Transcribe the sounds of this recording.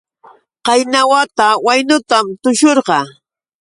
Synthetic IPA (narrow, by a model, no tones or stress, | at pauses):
qɑjnawat̪awajnʊt̪amt̪ʊʃoɾɢɑ